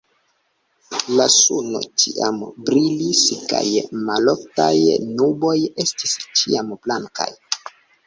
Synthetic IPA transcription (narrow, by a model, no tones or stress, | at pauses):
lasuno̞̰t͡ʃḭambɾiliska̰jmalo̞ftajnubo̞je̞stist͡ʃiamblaŋka̰j